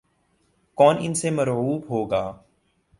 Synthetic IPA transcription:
kɔːnɪ̰nsemɐɾɦuːbɦoːɡaː

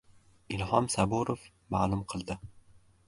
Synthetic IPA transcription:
ɪlɦɒmsabuɾof | maːlʊmqʰɨlˠd̪ɪ

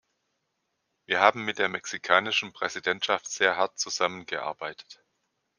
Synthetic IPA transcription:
viːɐhaːbm̩mɪt̚d̥eːɐmɛksikʰaːnɪʃn̩pʁ̥ɛzidɛntʃaftz̥eːɐɦaɐt̚t͡suzamənɡəʔa̰ɐbaɪtʰə̥t

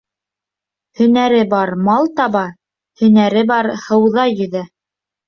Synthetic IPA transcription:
hɵ̆næɾɘbɑɾmɑlˠt̪ɑβɑ | hɵ̆næɾɘbɑɾhɤ̆wðɑjɵ̆ðæ

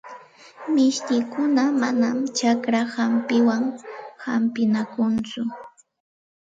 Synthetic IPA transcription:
mɪʃkɪjkʊnamanamt͡ʃakɾahampɪwaŋhampɪnakʊnt͡sʊ

